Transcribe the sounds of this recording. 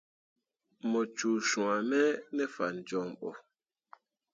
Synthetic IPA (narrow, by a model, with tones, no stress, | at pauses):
mɔ˨t͡ʃu˨ʃũ˨a˨mɛ˦nɛ˦fa˨n˨d͡ʒɔ˨mɓɔ̰˨